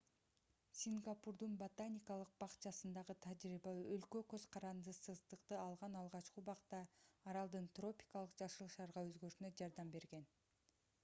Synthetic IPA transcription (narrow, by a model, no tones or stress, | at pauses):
sʲiŋɡapurd̪unbot̪anʲijkɑlˠɯq̚bɑqt͡ʃɑsɯnd̪ɑʁɯt̪ʰad͡ʒɾibɑølkøkø̞z̥qʰɑɾɑnd̪ɯsɯzd̪ɯqt̪ɯɑlˠʁɑnɑlˠʁɑt͡ʃqubɑqt̪ɑːɾɑlˠd̪ɯnt̪ro̞pʲi̥kɑlˠɯqd͡ʒɑʃɯlˠʃɑɾʁɑøzɡøʃynød͡ʒɑɾd̪ɑmbe̞ɾɡe̞n